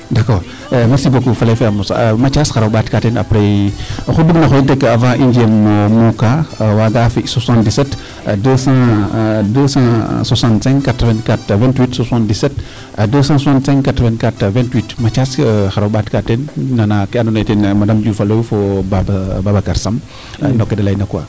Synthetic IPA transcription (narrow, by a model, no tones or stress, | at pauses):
dakɔɾ | mɛɾsibokufalefeamusa̰mat͡ʃasxaɾabatkatena̰pɾexuduɡnaxointekːəavãʔind͡ʒiɛmːomukawaɡafiswasãndisɛt | dəsãdəsãswasãntsɛ̃ŋɡkatɾəvɛ̃ntkatvɛ̃ntwitsasãndisɛt | adəsãswasãntsɛ̃ŋkatɾəvɛ̃ntkatvɛ̃ntwitmat͡ʃasxaɾabatkatennanakanonetenmadamd͡ʒufalofobabbabakaɾsam | nɔkːedalajnakwa̰